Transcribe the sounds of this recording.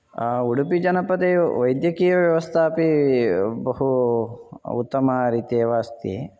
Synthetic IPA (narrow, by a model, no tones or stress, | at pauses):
uɽupid͡ʒɐnɐpɐd̪eʋɐjd̪jɐkiːjɐʋjɐʋɐst̪ʰaːpi | bɐɦu | ṵt̪ːɐmɐɾiːt̪ieːʋaːst̪ḭ